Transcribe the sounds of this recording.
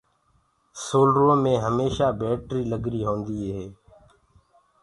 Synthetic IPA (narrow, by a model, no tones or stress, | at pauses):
soːlɾõːmẽːɦəmeːʃaːbeːʈɾiːləɡɾiːɦõːnd̪iːɦeː